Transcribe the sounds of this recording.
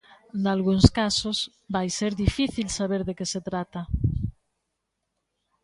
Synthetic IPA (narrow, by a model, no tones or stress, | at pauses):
d̪alɣuŋskasos | bajseɾðifiθilsaβeɾðekeset̪ɾat̪a